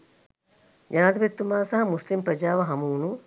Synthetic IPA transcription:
d͡ʒanaːd̪bet̪ːumaːsɐɦɐmuslimpɾɐd͡ʒaːʋɐɦɐmuunu

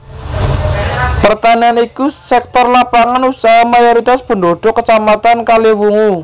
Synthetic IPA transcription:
pərt̪anianikusɛk̚t̪ɔrlapaŋanusaɦamajoɾit̪asb̥ə̤ɳdoɖ̪̥ɔkət͡ʃamat̪ankalewuŋu

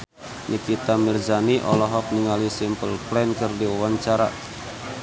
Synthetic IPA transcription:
nʔikit̪amird͡ʒaniʔɔlɔɦɔk̚niŋalisimpəlplɛnkɨrdiwawaɲt͡ʃaɾa̰

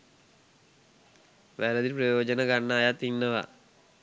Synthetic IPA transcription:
ʋɛːlɐd̪iɾpɾɐjɔːd͡ʒɐnɐɡɐɳːaːjat̪inːɐʋa̰

